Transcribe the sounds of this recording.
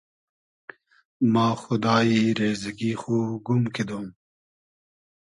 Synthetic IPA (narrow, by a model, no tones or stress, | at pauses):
mɑːxʊd̪ɑːiːɾeːzɐɡiːxoːɡumkʰed̪oːm